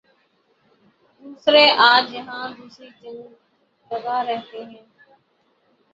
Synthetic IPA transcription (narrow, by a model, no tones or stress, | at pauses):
d̪uːsɾeːʔaːd͡ʒjəɦãːd̪uːsɾiːd͡ʒəŋ | kəzaːɾəɦt̪eːɦɛ̃ː